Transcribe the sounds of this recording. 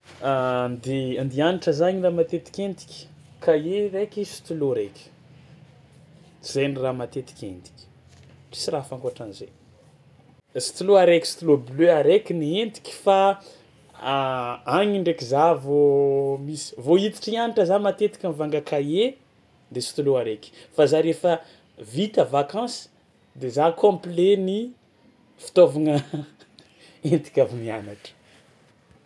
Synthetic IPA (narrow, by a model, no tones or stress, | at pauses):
nd̪eand̪ianiʈ͡ʂəzaɲiramat̪et̪i̥kʲend̪i̥kʲkʰajerekʲisi̥t̪uloɾekʲi̥ | z̥ejniramat̪et̪i̥kʲḛnd̪i̥kʲi̥ | ʈ͡ʂi̥sirafaŋkoaʈ͡ʂanizḛ | si̥t̪uloaɾekʲi̥si̥t̪ulobløaɾekʲiniend̪i̥kʲi̥fa | aɲiɳɖ͡ʐekizavomisi̥voit̪i̥ʈ͡ʂianaʈ͡ʂəzamat̪et̪i̥kʲanvaŋɡakaje | d̪esi̥t̪uluaɾekʲfazaɾefə | vit̪əvakɑ̃si̥ | d̪ezakõpleni | fi̥t̪ovaŋə | ent̪i̥kʲavinianaʈ͡ʂə̥